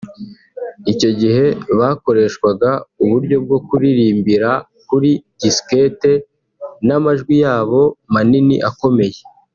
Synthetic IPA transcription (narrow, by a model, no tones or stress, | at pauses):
ico̞ɟiɦe̞βaːko̞ɾe̞ːʃkwaɡauβuɾɟo̞b̚ɡo̞kuɾiɾiːmbiɾa | kuɾidiske̞te̞ | namaʒɡwijaːβo̞maninḭʔako̞me̞je̞